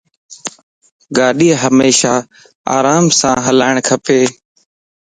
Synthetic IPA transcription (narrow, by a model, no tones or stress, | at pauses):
ɡaːɗiːɦəmeːʃaː | a̰ːɾaːmsãːɦəlaːɪɳkʰəpeː